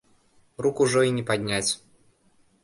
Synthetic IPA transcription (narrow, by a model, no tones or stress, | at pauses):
rukʊʐoɪnʲɪpɐdʲnʲætʲ